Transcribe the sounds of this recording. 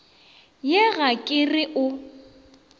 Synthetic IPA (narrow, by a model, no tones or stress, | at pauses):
jɪɣakʼɪrɪʔʊ